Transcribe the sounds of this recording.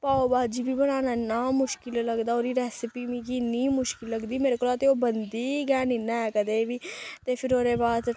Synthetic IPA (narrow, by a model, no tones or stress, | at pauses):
paːobaːd͡ʒiːbʱiːbənaːnaːɪnːaːmʊʃkɪlləɡd̪aːoːɾiːɾɛːsɪpiːmĩːkiniːmʊʃkɪlːəɡd̪iːmeːɾekolaːt̪eoːbənd̪iːɡɛːnɪnːaːɛːkəd̪eːbiːt̪eːpʰɪɾoːɾeːbaːd̪